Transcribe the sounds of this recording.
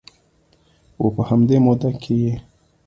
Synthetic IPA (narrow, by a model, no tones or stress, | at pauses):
wopəhamd̪emod̪akʰeje